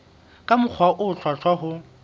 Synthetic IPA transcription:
kʼamʊk͡xʰwaʔʊt͡ɬʰwat͡ɬʰwaɦʊ

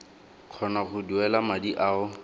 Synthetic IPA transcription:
q͡χʰɔnaχʊduɛlamadiʔaːʊ

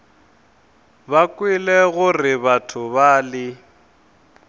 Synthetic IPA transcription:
bakʼwilɛɣʊrɪβatʰʊβaːlɪ

